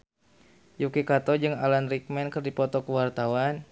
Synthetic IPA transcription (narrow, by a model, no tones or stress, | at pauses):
jukikat̪ɔd͡ʒɨŋalanrik̚mɛnkɨrdipɔt̪ɔkəwart̪awan